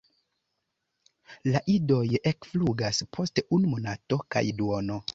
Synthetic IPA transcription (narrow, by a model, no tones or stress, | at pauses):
laʔido̞jekfluɡaspʰo̞steunumo̞nato̞ka̰jduono̞